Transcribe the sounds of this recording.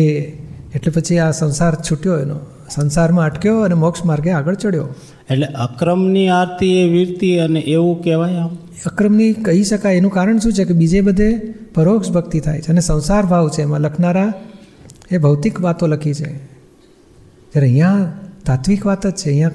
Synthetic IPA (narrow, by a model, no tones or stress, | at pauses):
e | eʈlepət͡ʃʰiasə̃w̃saɾt͡ʃʰuʈjoeno̰ | sə̃w̃saɾmãəʈkjoənemɔkʃmaɾɡeaɡəɭt͡ʃəɽjo | eʈleʔəkɾəmniaɾt̪ieʋiɾt̪iəneʔeʋũkeʋajam | əkɾəmnikəɦiʃəkajenũkaɾəɳʃũt͡ʃʰekebid͡ʒebəd̪ʱepəɾokʃbʱəɡt̪it̪ʰa̰jt͡ʃʰeənesə̃w̃saɾbʱaʋt͡ʃʰeːmãləkʰnaɾa | ebʱəʋt̪ikʋat̪oləkʰit͡ʃʰḛ | d͡ʒjaɾeəɦijãt̪at̪ʰʋikʋat̪əd͡ʒt͡ʃʰeəɦĩjã